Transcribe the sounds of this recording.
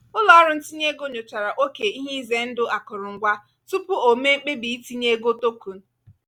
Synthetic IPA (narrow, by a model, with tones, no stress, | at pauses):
ʊ˦lɔ˦ɾʊ˦n̩˦ti˦ɲe˦ɡo˦ɲo˨t͡ʃa˨ɾa˨ʔo˦ke˨i˦ɦe˦i˦ze˦n̩˦dʊ˦ʔa˨kʊ˨ɾʊ˨ŋ̩˨ɡʷa˦ | tu˦pʊ˦o˨me˦ŋ͡m̩˦k͡pe˦bi˨i˦ti˦ɲe˦ɡo˦to˦ku˨n̩˦